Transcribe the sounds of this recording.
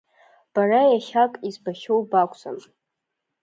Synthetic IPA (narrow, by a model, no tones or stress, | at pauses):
b̥arajaχʲakʼizbaʃʲowbakʷʰʼt͡sʼa̰m